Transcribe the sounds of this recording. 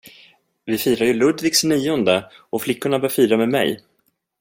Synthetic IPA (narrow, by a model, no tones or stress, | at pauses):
vɪfiːɾaɾjɵlɵd̪vɪksniːʊnd̪əʔɔflɪkːʊɳabœːɾfiːɾamɛːd̪mɛ̰j